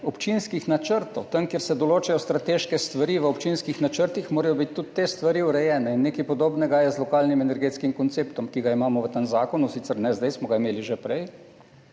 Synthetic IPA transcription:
ɔpt͡ʃinskixnat͡ʃəɾt̪ɔwt̪əŋkjeɾsɛd̪ɔloːt͡ʃajɔst̪ɾat̪eːʃkɛst̪ʋaɾiʋəopt͡ʃinskixnat͡ʃəɾt̪ixmoːɾɛjɔbit̪ʲt̪ːut̪ːest̪ʋaɾiuɾɛjɛːnɛinːekijpɔd̪oːbnɛɡajɛzlɔkaːlnimɛnɛɾɡet̪skimkɔnt̪seːpt̪ɔmkiɡaimaːmɔʋət̪anzaːkɔnusit̪sɛɾnɛzd̪ajsmɔɡaimeːliʒepɾɛj

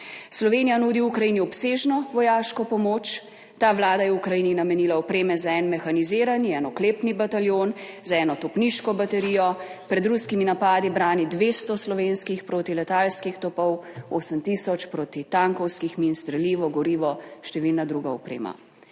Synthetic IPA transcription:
slɔʋenijanuːd̪iukɾajiniɔpseːʒnɔʋɔjaːʃkɔpɔmoːt͡ʃ | t̪aːʋlaːd̪ajɛukɾajiːninamɛnilaɔpɾeːmɛzaɛnmɛxaniziːɾaniɛnɔkleːpnibat̪aljonzaɛːnɔt̪ɔpniʃkɔbat̪ɛɾijɔpɾɛd̪ɾuskiminapaːd̪ibɾaːnid̪ʋeːst̪ɔslɔʋenskixpɾoːt̪ilɛt̪aːlskixt̪ɔpɔwoːsəmt̪isɔt͡ʃpɾoːt̪it̪aŋkɔwskixminst̪ɾɛliːʋɔɡɔɾiːʋɔʃt̪ɛʋilnad̪ɾuɡaɔpɾḛːma̰

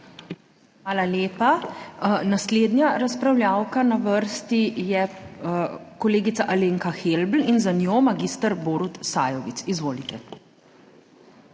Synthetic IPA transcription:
xʋaːlaleːpa | nasleːd̪nʲjaɾaspɾawljaːwkanaʋəɾst̪ijɛ | kɔleːɡit̪saʔaleːŋkaxelbl̩inzanjomaɡist̪əɾboːɾut̪sa̰ːjɔʋit̪sizʋoːlit̪ɛ

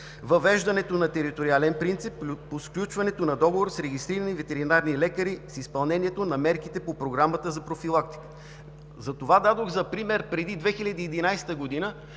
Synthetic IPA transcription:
vɐvɛʒd̪ɐnɛt̪onɐt̪ɛɾit̪oɾialɛnpɾint̪sipːosklʲut͡ʃvɐnɛt̪onɐd̪ɔɡovoɾsɾɛɡ̟ist̪ɾiɾənivɛt̪ɛɾinaɾnilɛkəɾisispɐlˠnɛniɛt̪onɐmɛɾkit̪ɛpopɾoɡɾamət̪əzɐpɾofilˠakt̪i̥kə̥ | zɐt̪ovad̪ad̪oɣzɐpɾimɛɾpɾɛd̪id̪vɛxilʲɐd̪iːd̪inajst̪əɡod̪inə

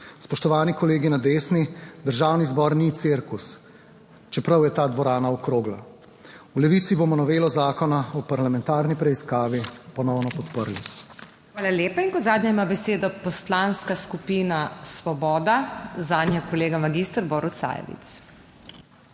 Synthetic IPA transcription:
spɔʃt̪ɔʋaːnikɔleːɡinad̪eːsnid̪əɾʒaːwnizbɔɾnit̪siɾkus | t͡ʃɛpɾawjɛt̪aːd̪ʋɔɾaːnaɔkɾoːɡla | ulɛʋiːt̪sibomɔnɔʋeːlɔzaːkɔnaɔpaɾlamɛ̃nt̪aːɾnipɾɛiskaːʋipɔnɔwnɔpɔt̪pəɾlḭ | xaːlaljeːpainkɔd̪zaːd̪ɲʲaimabɛseːd̪ɔpɔst̪laːnskaskupiːnasʋɔbɔːd̪azaːnjɛkɔleːɡamaɡist̪ɾbɔːɾut̪sa̰jɛ̰ʋḭt̪s

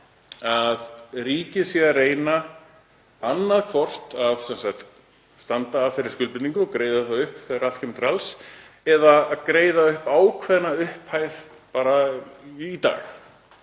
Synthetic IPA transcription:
aðriːcɪðsɛareːjna | anːaðkʰvɔr̥t̪avsɛnsak̚t̪ | st̪ant̪aːfejɾɪɾ̥scʏlpɪt̪niŋkʏɔkɾeːjðaðθaðʏhpθɛɣaɾalcʰɛmt̪ɾals | ɛðaːðkɾeːjðaʏhpaːwkʰvɛðnaʏhphaːjð̥ | paːɾa | it̪a̰ːx

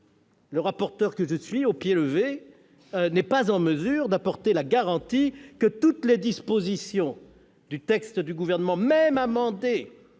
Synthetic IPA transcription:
ləʁapɔʁt̪œʁkəʒəsɥiopjeləve | nɛpazɑ̃məzyʁd̪apɔʁt̪elaɡaʁɑ̃t̪ikət̪ut̪led̪ispozisjɔ̃ | d̪yt̪ɛkst̪əd̪yɡuvɛʁnəmɑ̃mɛmamɑ̃d̪e

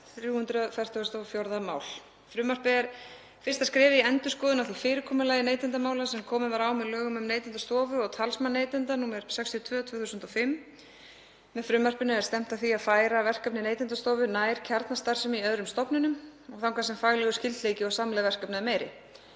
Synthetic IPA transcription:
θɾjuːhʏnt̪ɾʏfɛr̥t̪œst̪ɔfjowɾðama̰ːwl | fɾʏːmar̥pɪɛɾ̥ | fɪr̥st̪askɾɛːvɪiɛnt̪ʏskɔːðʏnawθifɪːɾɪkʰɔːmʏlaːjɪneːjt̪ɛnt̪̬amaːwlasɛmkʰɔːmɪvaɾaːwmɛðlœːɣʏmʏmneːjt̪ɛnt̪ast̪ɔːvʏɔɣt̪ʰalsmanːeːjt̪ɛnt̪anuːmɛɾ̥sɛkst̪ʰiɔt̪ʰvœːt̪ʰvœːθusʏnt̪ɔfɪm | mɛðfɾʏːmar̥pɪnɪɛ̥st̪ɛm̥t̪awθiaðfaːjɾavɛr̥kœpnɪneːjt̪ɪɛnt̪ast̪ɔːvʏnaːjɾ̥cʰaɾt̪nast̪aɾ̥sʏmiœðɾʏmst̪ɔpnʏnʏmɔɣθawŋkasɛmfaɣlɛɣʏscɪlt̪lejcɪɔɣsamlɛðavɛr̥kœpnaɪmeːjɾɪ̰

